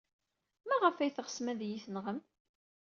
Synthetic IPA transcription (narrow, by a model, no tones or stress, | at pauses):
mæʁəfæjθəʁə̥smæðjiθənʁəm